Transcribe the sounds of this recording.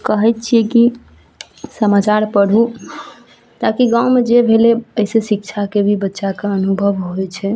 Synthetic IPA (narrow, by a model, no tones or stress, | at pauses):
kəɦɛjt̪̚t͡ʃʰiɛki | səmat͡ʃaɾpəɽ̤u | t̪akiɡaumed͡ʒebʱeleəisesik̚t͡ʃʰakebʱibətːʃakeənubʱəʋɦojt͡ʃʰɛ